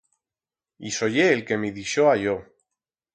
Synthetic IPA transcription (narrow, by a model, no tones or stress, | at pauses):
iso̞ʝeːlke̞miðiʃoaʝo